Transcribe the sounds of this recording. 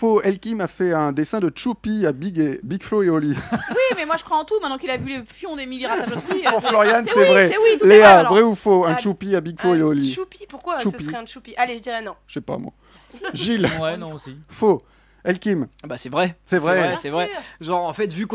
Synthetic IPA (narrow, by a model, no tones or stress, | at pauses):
foɛlkʲimafɛɛ̃d̪esɛ̃d̪ətʃupiabiɡebiɡfloeɔliwimɛmwaʒəkχwaɑ̃t̪umɛ̃t̪nɑ̃kilavylefjɔ̃d̪emiliʁaaoiflɔʁjansɛvʁɛwit̪leabʁɛufoɛ̃ʃupiabiɡfloeɔliupipuʁkwaʃuəpisχɛɛ̃t͡ʃupiʔaleʒəd̪iʁɛnɔ̃ʃɛpa̰mwa̰ | ʒilwɛnɔ̃sifo | ɛlkʲimbasɛvʁɛsɛvʁɛsɛvʁɛʒɑ̃ʁɑ̃fɛt̪vyk